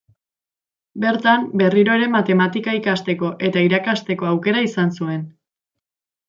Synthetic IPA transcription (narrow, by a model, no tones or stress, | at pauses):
be̞ɾt̪ambe̞riɾo̞eɾe̞mat̪e̞mat̪ikaikast̪e̞ko̞ʔe̞t̪aiɾakast̪e̞ko̞awke̞ɾaisansue̞n